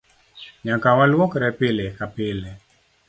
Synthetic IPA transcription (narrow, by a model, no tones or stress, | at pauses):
ɲakawalwɔkɾɛpɪlekapɪlɛ